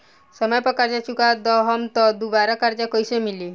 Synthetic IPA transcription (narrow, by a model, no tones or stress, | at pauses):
səməjpɔkaɾd͡ʒat͡ʃukad̪ɔɦɔmt̪ɔd̪ubaɾakaɾd͡ʒakɔjsemili